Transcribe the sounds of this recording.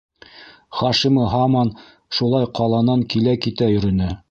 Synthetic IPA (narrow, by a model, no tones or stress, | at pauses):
χɑʃimɤɦɑmɑn | ʃulˠɑjqɑlˠɑnɑŋkilækit̪æjɵ̆ɾɵ̆næ